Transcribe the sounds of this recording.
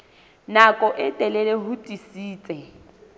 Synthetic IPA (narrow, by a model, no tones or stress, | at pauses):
nakʼɔʔɪtʼɛlɛlɛɦʊtʼisiːt͡sʼɛ